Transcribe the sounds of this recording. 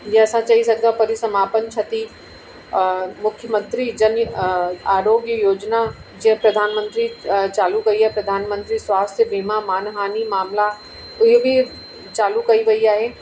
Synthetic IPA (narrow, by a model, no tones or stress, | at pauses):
jeɐsãt͡ʃaɦisɐɡ̚d̪ãpɐɾisɐmaːpənt͡ʃʰɐt̪i | mʊkʰjəmə̃nt̪ɾid͡ʒɐnjaːɾoːɡjjoːd͡ʒna | d͡ʒipɾɐd̪ʱaːnmə̃nt̪ɾit͡ʃaːlukɐiaːɦepɾɐd̪ʱaːnmə̃nt̪ɾiswaːst̪ʰjəbʱiːmãmaːnɦaːnimaːmla | ʊɦbʱi | t͡ʃaːlukɐiʋɐiaːɦeː